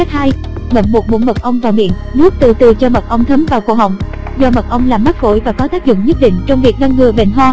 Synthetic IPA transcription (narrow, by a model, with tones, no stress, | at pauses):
a˦˥k̚haː˧j | mə̰˧˩nmo˨˩t̚ɓṵ˧˥nmə˨˩t̚ʔə˧wŋ͡mvaː˨˩wmḭ˧˨ənnu˦˥ək̚t̪ɨ̰˧˨˩t̪ɨ˨˩t͡ɕɔ˧mə˨˩t̚ʔə˧wŋ͡mt̪ʰə˨˦mvaː˨˩wkṵ˧˩hɦə̰˨˩wŋ͡m̚ | zɔ˧mə˨˩t̚ʔə˧wŋ͡mlaː˨˩mːa˦˥t̚ɣo̰˧˥jvaː˨˩kɔ˨˦t̪aː˦˥k̚zʊ̰˧˨ŋ͡mɲə˦˥t̚ɗḭ˧˨ŋ̟t͡ɕɔ˧wŋ͡mvi˨˩ək̚ɗa˧ŋŋɨ˨˩əɓḛ˧˩nɦɔː˧